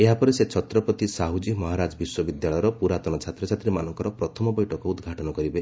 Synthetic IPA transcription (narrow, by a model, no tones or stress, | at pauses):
eɦapɔɾeset͡ʃʰɔt̪ɾɔpɔt̪isaɦud͡ʒimɔɦaɾad͡ʒɔbiswɔbid̪jaɭɔjɔɾɔpuɾat̪ɔnɔt͡ʃʰat̪ɾɔt͡ʃʰat̪ɾimanɔŋkɔɾɔpɾɔt̪ʰɔmɔbɔjʈɔkɔud̪ɡʱaʈɔnɔkɔɾibe